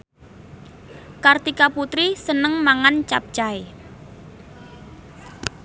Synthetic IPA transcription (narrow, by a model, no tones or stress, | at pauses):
kart̪ikaput̪ɾisənəŋmaŋant͡ʃap̚t͡ʃae